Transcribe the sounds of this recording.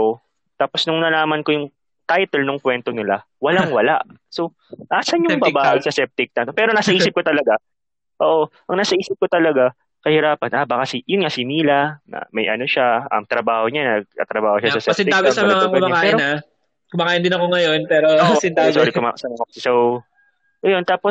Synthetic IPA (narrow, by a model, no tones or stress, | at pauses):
o | t̪aːpo̞snʊŋnɐlaːmɐnko̞jʊŋ | t̪ajt̪ɛlnoŋkwɛnt̪onɪla | wɐlaŋwɐlaʔ | so | ʔaːsɐɲʊbɐbaːʔɪɡsɐsɛp̚t̪ɪk̚nɐnopɛːɾonasɐʔiːsɪp̚kot̪ɐlɐɡa | ʔoːʔo̞ʔɐŋnasɐʔiːsɪp̚kot̪ɐlɐɡa | kɐhɪɾaːpɐnʔabakɐsɪjʊnŋasɪniːlɐnɐ̰mɐjʔɐ̰no̞ʃaɐ̰mt̪ɾɐbaːhoɲanɐɡ̚ɐ̰t̪ɾɐbaːhoʃasɐsɛpsɪnɪk̪aːɡɐsɐmɐaɐɛmɐaːpɛːɾoa | kʊmɐkaːjɐnd̪ɪnɐkoŋɐjonpɛɾoɪnt̪asoɾɪkoma̰sɐnɐkokɐsɛsow | ɐjont̪aːpos